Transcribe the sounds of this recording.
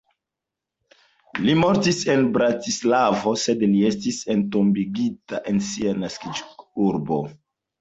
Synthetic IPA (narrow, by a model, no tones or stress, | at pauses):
limo̞ɾtise̞nbɾatislavo̞se̞dlie̞stise̞ntombiɡita̰ʔe̞nsianaskid͡ʒuɾbo̰